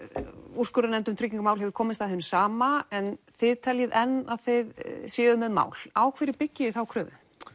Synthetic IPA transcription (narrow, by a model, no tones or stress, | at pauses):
uskʏɾanɛnt̪ʏmt̪ʰɾʏcːĩŋkʏmaːwlɦɛvʏɾ̥kʰɔːmɪst̪aðhɪnːʏsaːmaɛnθɪðt̪ʰɛljɪðɛnːaðθejðsjɛːðʏmɛðma̰ːwl̥aːwkʰvɛːɾɪɾpɪcːɪɪθawkʰɾœːvʏ